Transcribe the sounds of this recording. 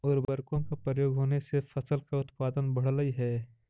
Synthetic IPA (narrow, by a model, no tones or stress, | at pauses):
ɔːɾbɐɾkõkapɾəjoːɡɦoːnesefɐsəlkaʊt̪paːd̪ənbɐɽ̤ləiɦɛː